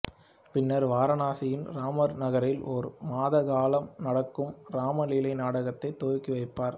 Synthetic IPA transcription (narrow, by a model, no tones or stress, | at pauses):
pɪnːɐɾʋaːɾɐnaːsɪjɪnɾaːmɐɾnɐɣɐɾɪlʔɔɾmaːðɐɣaːlɐmnɐɽɐkːɯmɾaːmɐliːlɐɪnaːɽɐɣɐt̪ːɐɪt̪ːoːɾkːiʋɐɪpːaːɾ